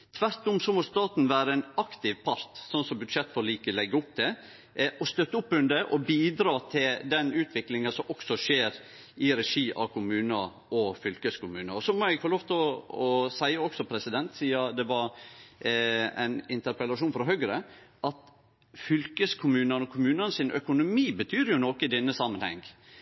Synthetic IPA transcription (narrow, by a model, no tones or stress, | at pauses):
t̪ʰʋæɾt̪ʊmsɔmɔst̪ɑːt̪nʋæːɾəænɑkt̪ɪʋpʰɑɾt̪sɔnsɔbʉd̪ʂɛt̪ːfɔɾɔliːkəlɛɡːəʊpd̪ɛ | ʔɔst̪œt̪ːəʊpːʉnd̪əʔɔbiːd̪ɾɑːt̪ʰɪld̪ɛnʉːt̪ʰʋɪklɪŋɑsɔmʔɔksɔʂeːɾ | ɪɾɛʂiːʔɑ̰kʰʊmʉːnɑ | ʔɔfʏlkəskʊmʉːnəɾɔsɔmɔæɡfoloːʋt̪ʰlɔɔsæɪəɔksɔpʰɾɛsɪd̪ɛnt̪siːɑd̪ɛʋɑɾ | æ̰ɪnɪnt̪əɾpəlɑʂuːnfɾɑɦœɡɾəʔɑt̪ | fʏlkəskʰʊmʉːnənɔkʰʊmʉːnənsɪnʔœ̰kʊnʊmiːbət̪ʰyːɾjʊnɔːkəɪd̪ɛnːəsɑmːənhɛ̰ŋ